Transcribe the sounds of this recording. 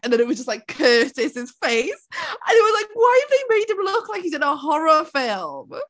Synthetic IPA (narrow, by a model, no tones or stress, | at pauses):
ɨ̃nðɨ̃nɨt̚wʌzd͡ʒʌst̚ˡlaɪkʰɜˑtɪsɪz̥feɪsʔə̃nɪt̚wʌzlaɪkwaɪəvðeɪmeɪdɨ̃mlʊklaɪkizɨ̃nəɦɔɹəfɪlˠm